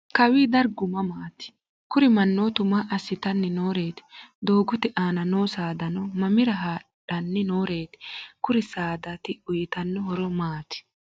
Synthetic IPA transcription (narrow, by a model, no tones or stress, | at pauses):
kɐwiːd̪ɐɾɡʊmɐmaːt̪ɪ̥ | kʊɾɪmɐnːoːt̪ʊmaʔɐsɪt̪ɐnːɛnoːɾe̞ːt̪ɪ̥d̪o̞ːɡʊt̪ɪʔaːnɐnoːsaːd̪ɐnɔmɐmɪɾɐɦaːɗɐnːɛnoːɾe̞ːt̪ɪ̥kʊɾɪsaːd̪ɐt̪ɪʊjɪt̪ɐnːɔhɔɾɔmaːt̪ɪ̥